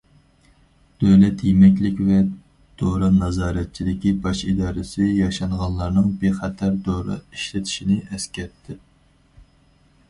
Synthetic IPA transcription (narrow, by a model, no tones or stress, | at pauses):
d̪̥øwlɛt̪jemɛkʲlɪkʲvɛ | d̪̥oɾɨnɑzɑːɾɛt̪̚t͡ʃʰid̪ɪkʲibɑʃid̪ɑːɾɨsɪjɑʃɑɴʁɑnlˠɑɾnɨŋbeχɛt̪ʰæɾd̪oɾɨ̰iʃlɪt̪ʰi̥ʃinɪɛskʲɛt̪ʰːɪ